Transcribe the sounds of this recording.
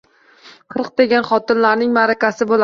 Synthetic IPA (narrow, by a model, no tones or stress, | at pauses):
qʰɨɾq̚d̪eɡʲanχɒt̪ɪnlaɾnɪŋmaɾakʲasɪbola